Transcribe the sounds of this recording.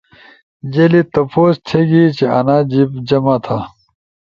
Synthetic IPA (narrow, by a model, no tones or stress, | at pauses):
d͡ʑeːlit̪ɐpoːst̪ʰeːɡiːt͡ɕeɐ̰naːd͡ʑipd͡ʑɐmaːt̪ʰaː